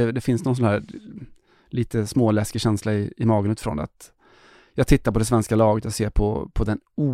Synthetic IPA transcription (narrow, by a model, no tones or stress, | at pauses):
ɛd̪ɛfɪnsnɔns̬ɔnhæː | liːt̪əsmoːlɛskɪɕɛnslaɪɪmɑːɡənʉt̪ɪfɾɔ̰na̰t̪ | jɑːɡt̪ʰɪt̪ːaɾpɔd̪ɛs̬vɛnskalɑːɡət̪jɑɡseːɾpʰɔpʰɔd̪ɛnuː